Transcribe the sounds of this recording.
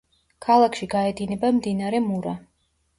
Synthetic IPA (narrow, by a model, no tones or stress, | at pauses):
kʰalˠakʰʃiɡaɛd̪inɛbamd̪inaɾɛmuɾa